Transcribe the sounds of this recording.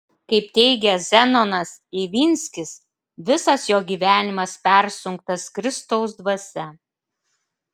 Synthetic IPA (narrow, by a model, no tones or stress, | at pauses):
kɐɪp̚t̪ʲɛɪɡʲɛzʲɛnɔnɐsiʋʲiːnʲsʲkʲɪs | ʋʲɪsɐsjoːɡʲiːʋʲæːnʲɪmɐspʲæɾʲsʲʊŋk̚t̪ɐskɾʲɪst̪ɐʊs̬d̪ʋɐsʲɛ